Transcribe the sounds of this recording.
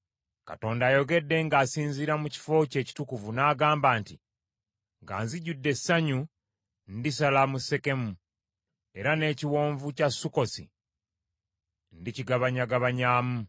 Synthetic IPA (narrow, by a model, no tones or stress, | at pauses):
ka̰to̞ːndaːjo̞ɡe̞dːe̞ŋɡaːsiːnziɾamuci̥fo̞ce̞ːci̥tukuvunaːɡaːmbaːnti | ŋɡa̰ːnziɟudːe̞sːaɲu | ndisalamuse̞ke̞mu | e̞ɾane̞ːciwo̞ːɱvucasːuko̞sḭ | n̩diciɡaβaɲaɡaβaɲaːmu